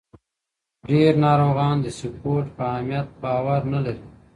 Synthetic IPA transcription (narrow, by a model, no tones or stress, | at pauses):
ɖeːɾnɑːɾoːɣɑːnd̪əsupoːɾʈpəamijɐt̪̚bɑːwaɾnalaɾi